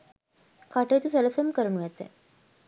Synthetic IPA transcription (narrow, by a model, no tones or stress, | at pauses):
kaʈeːt̪useləfemkəɾənuʋɛt̪ḛ